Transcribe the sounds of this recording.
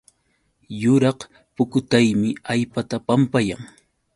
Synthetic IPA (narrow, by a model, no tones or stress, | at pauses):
jʊɾɑq | pʊkʊt̪ajmɪajpat̪apampajaŋ